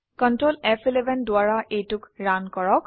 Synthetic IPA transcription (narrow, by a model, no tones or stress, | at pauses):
kɔntɹolɛpʰilɛbʱɛndʊaɹaʔejtʊkɹankɔɹɔk